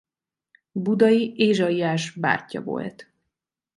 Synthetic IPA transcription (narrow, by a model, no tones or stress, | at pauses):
bud̪ɒjiʔeːʒɒiaːʒba̰ːcːɒ̰vo̞̰lt̪